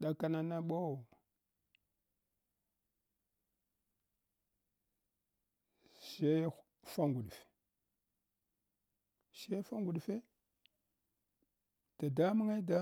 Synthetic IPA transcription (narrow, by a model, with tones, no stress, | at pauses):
ɗa˨ka˨na˨na˦ɓo˦˨ | ʃe˦ | fa˦ŋɡu˨ɗfe̥˨ | ʃe˦fa˦ŋɡu˨ɗfe˦ | ta˨da˦mi˦ŋe˦da˦